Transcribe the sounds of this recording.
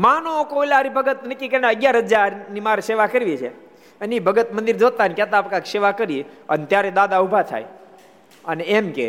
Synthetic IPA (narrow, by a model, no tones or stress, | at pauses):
manookoilaɾibʱəɡət̪nəkikenaəɡjaɾɦəd͡ʒaɾnimaɾeseʋakəɾʋit͡ʃʰe | ənibʱəɡət̪mənd̪iɾd͡ʒot̪anikjat̪aːpkakseʋakəɾiənt̪jaɾed̪ad̪aubʱat̪ʰa̰j | əneemkḛ